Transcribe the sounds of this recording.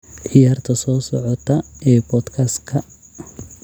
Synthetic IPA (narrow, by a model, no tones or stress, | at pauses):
ʕɪjaːrt̪ʰɐsɔːsɔʕɔt̪ʰɐɛːbɔːd̪kʰɐskʰɐ